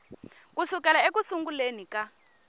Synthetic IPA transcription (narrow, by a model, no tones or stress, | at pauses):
k̬usukɛlaek̬usuŋɡulenika